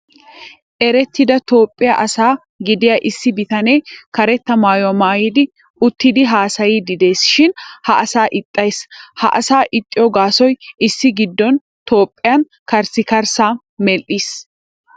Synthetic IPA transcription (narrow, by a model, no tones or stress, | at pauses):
ʔɛɾɛt̪ʰːɪd̪ɐt̪o̞ːpʼːɪjaʔɐsaː | ɡɪd̪ɪjaːʔɪsːɪbɪt̪ɐne̞ːkɐɾɛt̪ːɐmaːjwmaːjid̪ɪ | ʊt̪ːɪd̪ɪɦaːsɐjiːd̪ɪd̪e̞ːsʃɪnhɐʔɐsaːʔɪt̪ʼːɐjshɐ̰ʔɐsaːʔɪt̪ʼːɪjoɡaːsɔjʔɪsːɪɡɪd̪ːɔn | t̪o̞ːpʼːɪjɐn | kɐɾsɪkɐɾsaː | mɛlʔiːs